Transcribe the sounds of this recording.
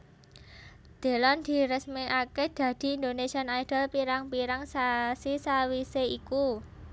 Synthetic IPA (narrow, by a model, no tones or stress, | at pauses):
d̪̥e̤lɔnd̪̥i̤ɾəsmeʔaked̪̥ä̤d̪̥i̤ːnd̪onesianajd̥ə̤lpiɾaŋpiɾaŋsasisawiseiku